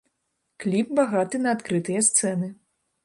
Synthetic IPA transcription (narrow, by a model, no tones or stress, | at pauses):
klʲip̚baɣat̪ɨnɐːt̪kɾɨt̪ɨjɐst̪sɛnɨ